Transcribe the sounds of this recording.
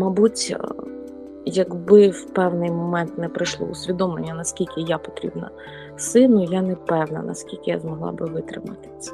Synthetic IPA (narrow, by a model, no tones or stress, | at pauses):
mɐbutʲ | jɐɡbɪwpɛwnɪjmɔmɛnt̪nɛpɾɪjʃlˠɔ̰ʊsʲʋʲid̪ɔmlˠḛnʲːɐnɐskʲilʲkʲɪjapɔ̥t̪ɾʲḭbnɐ̰ | sɪnʊjanɛpɛwnɐ̰nɐ̰skʲilʲkʲɪja̰zmɔɦlˠɑ̰bɪʋɪt̪ɾɪ̰mɐ̰t̪ɪ̥sʲɐ̥